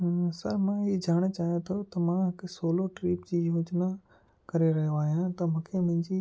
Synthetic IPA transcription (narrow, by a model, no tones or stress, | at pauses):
sɐɾmãɦiːd͡ʑaːɽ̃t͡ɕaːɦijõt̪ʰot̪ɐmãɦɪksoːloʈɾiːpd͡ʑiːjoːd͡ʑna | kɐɾeɾɐɦijoaːɦijãt̪ɐmũːkʰemʊ̃ɦɪ̃ɲd͡ʑi